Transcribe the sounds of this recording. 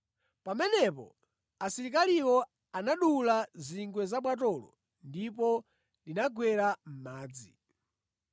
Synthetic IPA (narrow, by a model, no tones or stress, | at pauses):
pamɛnɛpɔ̰ | asiɾikaliwɔ | anaɗulaziŋɡwɛzaɓwat̬ɔlɔ̰ | ndipɔ | linaɡwɛɾam̩maːd͡zi